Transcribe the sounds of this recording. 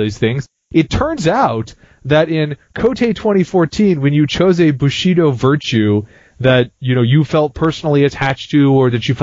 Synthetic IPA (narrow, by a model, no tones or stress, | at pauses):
ðiz̥θɪ̃ŋz̥ | ɨtʰɜ̃˞nzaʊt̪̚ | ðɨɾɪ̃nkʰoʊtʰeɪtʰw̥ɛ̃ɾ̃ifɔɹtʰĩnwɨ̃njɨt͡ʃʰoʊzɨbɨʃiɾoʊvɜ˞t͡ʃʉ | ðɨt̚jɨnoʊjɨfɛlˠt̚pʰɜ˞sn̩l̩ˠiɨtʰæt͡ʃtʰɨə˞ðɨt͡ʃɨf